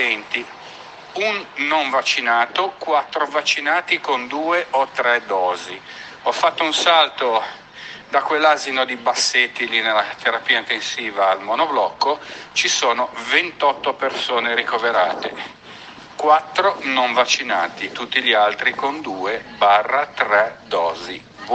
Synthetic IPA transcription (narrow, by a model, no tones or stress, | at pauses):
ɛnt̪i | unːoɱvat͡ʃːinaːt̪okwat̪ːɾovat͡ʃːinaːt̪ikond̪uːeʔot̪ːɾɛd̪ɔːzi | ɔfːat̪ːounsalt̪o | d̪akwelːaːzinod̪ibasːet̪ːilinelːat̪eɾapiːaint̪ensiːvaːlmonoblɔkːot͡ʃisoːnovent̪ɔt̪ːopersoːneɾikoveɾaːt̪ḛ | kwat̪ːɾonoɱvat͡ʃːina̰ːt̪it̪ut̪ːiʎialt̪ɾikond̪uːebaːrːat̪ɾɛd̪ɔːzi